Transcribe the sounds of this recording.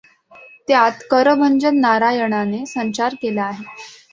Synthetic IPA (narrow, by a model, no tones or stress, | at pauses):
t̪eat̪kəɾəbʱəɲd͡ʑənːaɾajəɳanesəɲt͡ɕaɾkelaːɦe